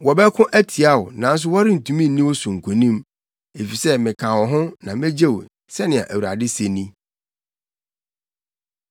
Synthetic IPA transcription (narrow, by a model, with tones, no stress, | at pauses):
wɔ˨bɛ˦kʰʊ̃˦ʔæ˦tʰi˨a˦wʊ˨nã˨n̩˦s̬ʊ˦wɔ˦ɾɪ˦n̩˨tʰũ˨mĩ˦n˦nĩ˦wɔ˦sʊ̃˨ŋ̩˨kʰo˨nĩ˦m | e˨fi˨sɛ˦mɪ̃˨kʰã˨wɔ˨ɦʊ̃˦nã˨mɛ̃˦d͡ʑe˦˨w | sɛ˦nɪ̃˨a̰˨ʔæ˨wu˨a̰˨dɪ˦se˨nĩ˦